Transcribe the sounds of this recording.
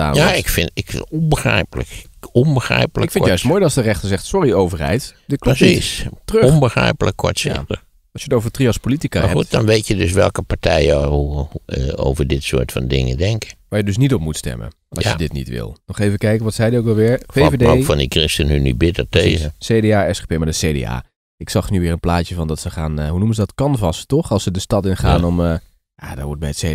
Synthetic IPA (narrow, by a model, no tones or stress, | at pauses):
a̰ːaɪkfɪnɪkɔnbəxrɛ̰jpləkɔnbəxrɛ̰jpələɪkɪnjœɥstmoːjdlˠsdərɛχtəɹzɛχtsɔriowvəɹɦɛ̰jt | dɪklɔistrøɔnbəxrɛ̰jpələkːɔ̰tsɪ̰tə | ɑlˠsjətowvəɹtriɑspolitika̰ɦɛut̚dɔnʋejtjədøsʋɛ̰lˠkəpaɹtʰɛjəuəo̰wvəɹdɪtsʊːɹtfɑ̰ndɪ̰ŋə̰dɛŋkəʋaːjədøs̬nitɔpmutstɛ̰mə̰ | ɔsjədɪtnḭtʋɪ̰lˠnɔχejvəkɛjkənʋɔtsɛjdiowkʋɛlˠʋɪɹfevedfɔndikrɪstənhynybɪtəɹteːzseːdeaːɛsepemaɹdəseːdḛa̰ː | ɪksɑχnyʋɪːɹənplaːtjəvɑndɔtsəχaːnɦunumənzədɔtkɑnvɑstɔxɑlˠsədəstɑtɪnχaːnɔmə | jadɔ̰ʋɔɹt̚bɛjətse